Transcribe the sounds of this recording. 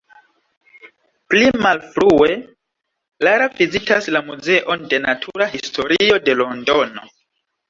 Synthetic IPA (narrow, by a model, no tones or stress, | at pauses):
plimalfɾue̞ | laɾavizitaslamuze̞ʔo̞nde̞natʰuɾahistʰo̞ɾio̞de̞lo̞ndo̞no̞